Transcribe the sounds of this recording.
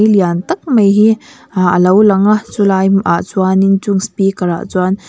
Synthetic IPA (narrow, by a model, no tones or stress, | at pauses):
jliant̪ɐk̚mɐjɦi | ə̰lɐwlɐŋat͡sulajmʔa̰ʔt͡swanint͡suŋspikɐɾa̰ʔt͡swan